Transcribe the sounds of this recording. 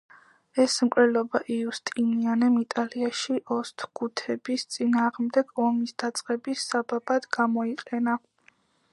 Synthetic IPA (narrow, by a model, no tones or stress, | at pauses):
ɛsmkʼɾɛlɔbaʔiust̪ʼinianɛmit̪ʼaliaʃiʔɔst̪ʰɡ̥ut̪ʰɛbist̪sʼinaːʁmd̪ɛɡ̥ɔmisd̪̥at̪sʼqʼɛbisababad̪ɡamɔiqʼɛna